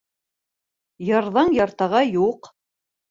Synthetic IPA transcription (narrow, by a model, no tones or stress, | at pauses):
jɑɾðɑŋjɑɾt̪ɑʁɑjuq